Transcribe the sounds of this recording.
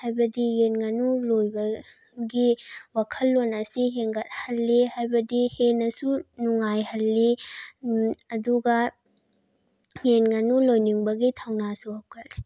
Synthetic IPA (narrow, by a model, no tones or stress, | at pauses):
hajbɐdijenŋanulojbɐ | ɡiwakʰɐlːonɐsiɦeŋɡɐt̚hɐlːihajbɐdihenɐsunuŋajhɐlːi | duɡɐ | jenŋanulojniŋbɐɡitʰawnasuhawkʰɐtli̥